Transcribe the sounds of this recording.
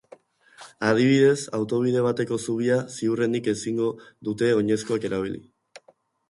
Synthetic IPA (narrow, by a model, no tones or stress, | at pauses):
að̞iβ̞iðe̞sawt̪o̞β̞ið̞e̞β̞at̪e̞ko̞suβ̞iasiure̞nike̞siŋɡo̞ðut̪e̞o̞ɲe̞sko̞ake̞ɾaβ̞ilḭ